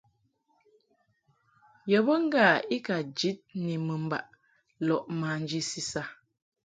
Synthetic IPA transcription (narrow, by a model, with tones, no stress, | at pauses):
jə˨bə˦ŋ̩˦ɡa˦˨i˦ka˨d͡ʒi˦t̚ni˨mə˨m̩˦ba̰˨ʔ | lɔ˨ʔma˨n̩˦d͡ʒi˦si˦sa˦